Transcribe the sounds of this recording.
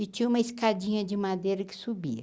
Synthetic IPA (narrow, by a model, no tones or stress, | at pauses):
ɪt͡ʃĩɲɐ̃ũmɐiskad͡ʒĩɲɐd͡ʒɪmad̪ejɾɐkɪ̥subḭɐ